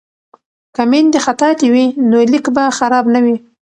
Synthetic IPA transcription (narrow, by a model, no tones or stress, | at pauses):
kamend̪exat̪ɑt̪iwinolikbaxaɾɑbnawi